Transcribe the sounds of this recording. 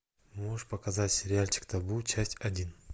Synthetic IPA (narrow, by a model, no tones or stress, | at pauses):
moʂpɐkɐzatʲsʲɪɾʲɪalʲt͡ɕɪ̥kt̪ɐbut͡ɕasʲtʲɐdʲin